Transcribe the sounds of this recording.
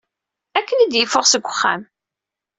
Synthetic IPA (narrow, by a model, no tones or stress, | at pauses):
ækːənid̪jəfːʊʁsəɡʷːəχːæ̰m